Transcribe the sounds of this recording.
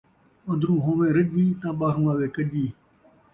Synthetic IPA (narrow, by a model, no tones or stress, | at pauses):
ə̃nd̪ɾũːɦõːmẽːɾəʄĩːt̪ãːɓaːɦũːaːʋeːkəʄiː